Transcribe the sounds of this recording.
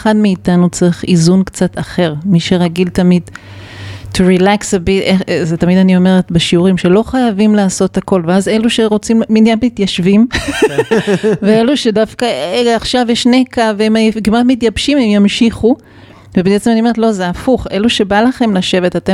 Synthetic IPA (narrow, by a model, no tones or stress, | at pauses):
χadmiːtanut͡seʁiχizunkt͡satʰaχe̞ʁmiʃe̞ʁaɡiltamid | tʰuʁilaksabitezetamidanio̞me̞ʁetbeʃiuʁimʃe̞lo̞χajavimlaːso̞thako̞lveaze̞luʃe̞ʁo̞t͡simminjanmitjaʃvim | vee̞luʃe̞dafkaaχʃavjeʃnekaveemkimatmit̬jabʃimemjamʃiχu | vebet͡semanioeetlo̞zeafuχe̞luʃe̞balaχe̞mlaʃe̞vetate